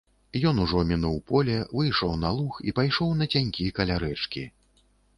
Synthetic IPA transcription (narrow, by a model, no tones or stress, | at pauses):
jɔnuʐɔmʲinuwpɔlʲɛvɨjʂɔwnalˠuxḭpajʂɔwnɐt͡sʲanʲkʲikɐlʲaɾɛt͡ʂkʲi